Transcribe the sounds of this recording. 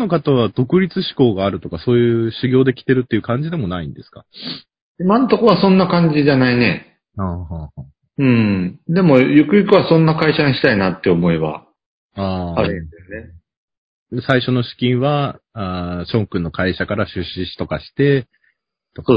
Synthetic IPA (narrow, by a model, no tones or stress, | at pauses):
no̞kat̪aβad̪̥o̞kɯ̟ɾʲit͡sɨɕi̥ko̞ːɡaːɾɯ̟t̪o̞kaso̞ːjɯ̟ːɕiɡʲo̞ːd̪e̞kʲi̥t̪e̞ɾɯ̟t̪ːeiɯ̟kãɲ̟d͡ʑid̪e̞mo̞naĩnd̪e̞sɨ̥ka̰ | imanot̪o̞kβasõ̞nːakãɲ̟d͡ʑiʑanaine̞ | haːhaːhaː | ɯ̟̃ɴd̪e̞mo̞jokɯ̟jɯkɯβasõ̞nːakaiɕaɲiɕi̥t̪ainat̪ːeomo̞iβa̰ | aːaɾɯ̃d̪esɨne | saiɕo̞no̞ɕi̥kʲĩɰ̃βaaɕõ̞ŋkɯ̟̃nːo̞kaiɕakaɾaɕɨɕːiɕi̥t̪o̞kaɕi̥t̪e̞ | t̪o